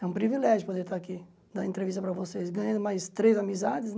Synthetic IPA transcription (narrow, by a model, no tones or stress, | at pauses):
ɛũpɾivilɛʒʊpod̪eɾt̪aaki | d̪aẽnt̪ɾevis̬t̪ɐpɾɐvosesɡɐ̃ɲɐ̃nd̪ʊmajst̪ɾezamizad͡ʒ̪ɪs